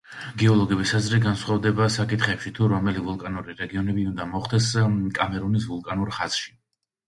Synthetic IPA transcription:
ɡɛɔlˠɔɡɛbisazɾɛɡansχavd̪ɛbasakʼit̪ʰχɛpʃit̪ʰuɾɔmɛlivulˠkʼanuɾiɾɛɡiɔnɛbiund̪amɔχd̪ɛskʼamɛɾunisvulˠkʼanuɾχaz̥ʃi̥

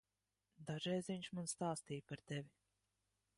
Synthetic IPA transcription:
d̪aʒɛjzʲiɲʲt͡ʃmanst̪aːst̪iːjpaɾt̪evʲi

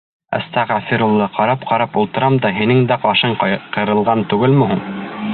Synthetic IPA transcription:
æ̰st̪ɑʁæfiɾulˠːɤqɑɾɑp̚qɑɾɑpulˠt̪ɤ̆ɾɑmd̪ɑɦinɘŋd̪æqɑʃɤɴqɤ̆ɾɤ̆lˠʁɑnt̪ʉɡɘlmɵ̆ɦuɴ

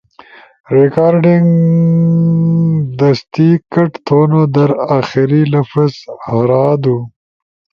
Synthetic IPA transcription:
ɾɪkaːɾɖɪŋɡ | d̪ɐst̪ikɐʈt̪ʰoːnod̪ɐɾaːxiɾilɐfɐzhɐɾaːd̪u

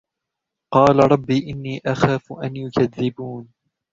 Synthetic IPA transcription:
qɑːlaɾˤɑbːiːʔɪnːiːʔaxaːfʊʔanjʊkaðːɪbuːn

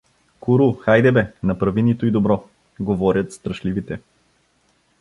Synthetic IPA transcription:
kuɾuxajd̪ɛbɛnɐpɾɐvinit̪oid̪obɾɔ | ɡovɔɾʲjət̪st̪ɾɐʃlivit̪ɛ

